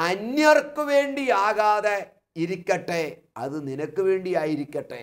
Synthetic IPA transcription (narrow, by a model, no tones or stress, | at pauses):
ɐnjɐrkːuʋe̞ːɳɖiaːɣaːðe | iɾikʲːɐʈːe | ɐ̰ðɨninɐkːɨʋe̞ːɳɖijaːjiɾikʲːɐʈːḛ